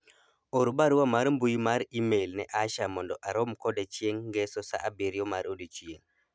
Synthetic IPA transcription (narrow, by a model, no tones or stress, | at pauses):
oɾubaɾwamaɾmbujmaɾimejlnɛʔaʃamɔndɔʔaɾomkɔdet͡ʃieŋɡesosa̰ʔabeɾjɔmaɾodit͡ʃieŋ